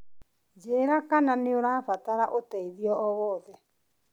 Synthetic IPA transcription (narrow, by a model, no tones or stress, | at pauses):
d͡ʒeːɾakananeoɾaːfataɾaʔotɛiðiɔɔɣɔðɛ